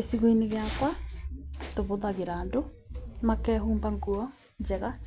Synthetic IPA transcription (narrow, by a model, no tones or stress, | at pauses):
esiɣwoineɣeakwa | toβoðaɣeɾaːndomakɛɦuːmbaŋɡuɔ | d͡ʑɛɣas